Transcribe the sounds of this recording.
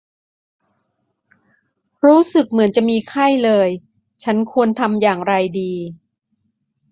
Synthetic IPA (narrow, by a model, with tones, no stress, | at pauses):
ɾuː˦˥sɯ˨˩k̚mɯ˩˦ənt͡ɕa˨˩miː˧kʰa˥˩jlɤː˧j | t͡ɕʰa˦˥nkʰu˧ənt̪ʰa˧mjaː˨˩ŋɾa˧jdiː˧